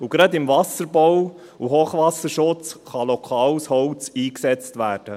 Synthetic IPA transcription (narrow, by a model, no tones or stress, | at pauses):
uɡɾɑd̪ɪmvɑsəɾbɔw | uɦoːχʋɑsəɾʃʊt͡sχɑlɔkʰɑːwshɔwt͡siːksɛt͡stʋæːɾd̥ə